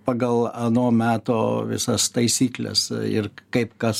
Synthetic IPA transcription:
pɑɡɐlˠɐnoːmʲæːt̪oːʋʲɪ̰sɐst̪ɐɪsʲiːklʲɛ̰sɪ̰rkɐɪpkɐs

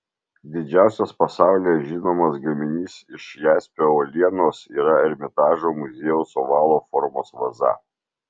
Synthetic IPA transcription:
d̪ʲɪd͡ʒʲæˑʊsʲospɐsɑˑʊlʲeːʒʲɪnoːmɐsɡɐmʲɪnʲiːsɪʃjæːsʲpʲɛoːlʲiɛnoːsiːɾɐɛɾʲmʲɪt̪ɑːʒomʊzʲeːjɛʊsoʋɑːlˠoːfɔɾmoːsʋɐzɐ̰

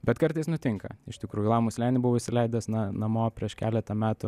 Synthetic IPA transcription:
bʲɛt̪kɐɾt̪ɐɪsnʊt̪ʲɪŋkɐ̰ɪʃt̪ʲɪkɾuːjulˠɑːmuːsʲlʲæːnʲɪbʊʋoɪʃsʲɪlʲɛɪd̪ɐsnɐnɐmoːpʲɾʲiɛʃkʲæːlʲɛt̪ɐmʲæːt̪ʊ

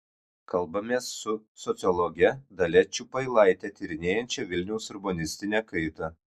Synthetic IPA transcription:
kʰɐlˠbɐmʲeːsːʊsɔt̪sʲɨɔlˠɔɡʲɛd̪ɐlʲɛt͡ʃʲupɐɪlˠɑˑɪt̪ʲɛt̪ʲiɾʲɪnʲeːjɛnʲt͡ʃʲɛʋʲɪlʲnʲɛʊsʊɾbɔnʲɪsʲt̪ʲɪnʲɛkɐɪt̪ɐ

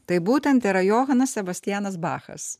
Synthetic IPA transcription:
t̪ɐɪbuːt̪ʲɛnt̪iːɾɐjoːɦɐnɐsʲsʲɛbɐsʲt̪ʲɪjæːnɐsbɑ̰ːxɐ̰s

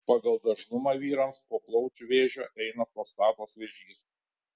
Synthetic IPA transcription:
pɑːɡɐlˠd̪ɐʒnʊmɑʋʲiːɾɐmspoːplˠɒʊt͡ʃʲʊʋʲeːʒʲoːʔɛɪnɐpoːst̪ɑːt̪oːsʋʲɛʒʲiːs

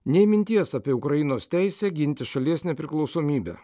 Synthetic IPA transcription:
nʲɛɪmʲɪnʲt̪ʲiɛsɑːpʲiɛʊkɾɐjɪnoːst̪ʲæɪsʲæːɡʲɪnʲt̪ʲɪʃɐlʲiɛsnʲɛpʲɾʲɪklˠɒʊsoːmʲiːbʲæ̰ː

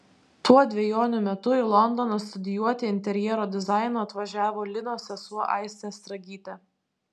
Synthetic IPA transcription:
t̪uɔd̪ʲʋʲɛjoːnʲʊmʲɛt̪ʊɪlˠɔnd̪ɔnɐst̪ʊd̪ʲɪjuɔt̪ʲɪɪnʲt̪ʲɛɾʲjɛɾoːd̪ʲɪzɑˑɪnoːɐt̪ʋɐʒʲæːʋoːlʲɪnoːsʲɛsuɔʔɑ̰ɪsʲt̪ʲɛst̪ɾɐɡʲiːt̪ʲɛ

